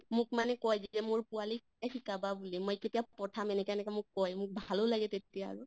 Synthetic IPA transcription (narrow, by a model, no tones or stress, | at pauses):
mʊk̚manɛkɔjzɛzɛmʊɹpuali | axʰikababulimojketijapɔtʰamɛnɛkɛɛnɛkɛmʊkːɔjmʊk̚bʱalolaɡɛtetija̰ːɹu